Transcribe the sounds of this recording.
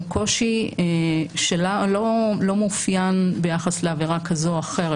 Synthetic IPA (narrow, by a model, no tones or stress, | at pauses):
kʰo̞ʃieʃelalolo̞mufjanbe̞jaχasleaviʁakʰazoaχe̞ʁe